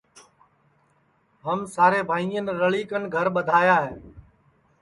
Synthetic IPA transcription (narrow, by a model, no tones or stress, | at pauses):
ɦəmsaːɾeːbʱaːiːənɾəɭiːkənɡʱəɾɓəd̪ʱaːjaːɦeː